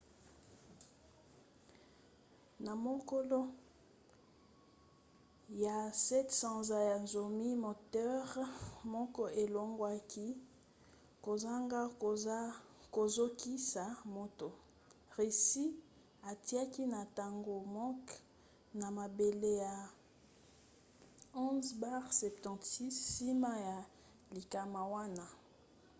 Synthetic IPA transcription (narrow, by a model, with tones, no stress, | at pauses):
na˨mo˦ko˦lo˦ | ja˨sɛ˦tsã˨za˨ja˨nzo˨mi˦mo˨tɛ˦ʁmɔ˦kɔ˦e˨lo˦ŋɡwa˦kʰi˦ | ko˨za˦ŋɡa˦ | ko˨zo˦ki˦sa˨mo˦to˨ | ʁe˨si˦ | a˨ti˦a˦ki˦na˨ta˨ŋɡo˨mɔ˦k | na˨ma˨be˨le˦ja˨ | ɔ̃˦zba˦ʁsɛ˨p̚tɑ̃˨tsi˦sːi˦ma˦ja˨ | li˨ka˨ma˨wa˦na˦